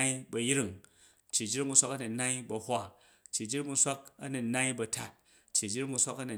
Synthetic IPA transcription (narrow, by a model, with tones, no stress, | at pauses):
i˦bɐ˧ji˦ɾi˦ŋ˨ | t͡ʃːi˨d͡ʒi˦ɾi˦ŋmu˧sʷa˦kɐ˦nu˨na˦i˦bɐ˧hʷa˦˨ | t͡ʃːi˨d͡ʒi˦ɾmu˧˦sʷa˦kɐ˦nu˨na˦i˦bɐ˧ta̰˨t̚ | t͡ʃːi˨d͡ʒi˦ɾi˦ŋmu˧n̩sʷa˦kɐ˦nu˨